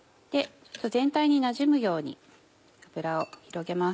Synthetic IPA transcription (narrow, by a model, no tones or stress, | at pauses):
d̪̥e̞t͡ɕoot̪ːo̞zẽ̞nt̪aiɲ̟inaʑimɯ̟jo̞ːɲ̟ḭ | kabɯ̟ɾaoçiɾo̞ɡe̞mas